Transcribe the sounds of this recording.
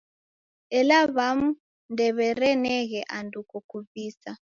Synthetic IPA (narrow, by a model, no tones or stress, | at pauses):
ɛlaβamu | ndɛβɛɾɛnɛɣɛʔandukɔkuviːsa